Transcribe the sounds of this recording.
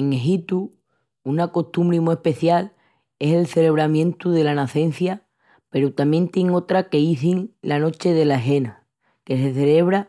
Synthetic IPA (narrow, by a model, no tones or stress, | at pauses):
eŋeɦit̪u | unako̞ht̪umbɾimue̞hpe̞θjal | ese̞lθe̞le̞β̞ɾamjẽ̞nt̪uðe̞lanaθe̞n̟θja | pe̞ɾut̪amje̞nt̪jeŋo̞t̪ɾake̞iθiŋlano̞t͡ʃe̞ðe̞laeɦe̞na | ke̞se̞θe̞le̞β̞ɾa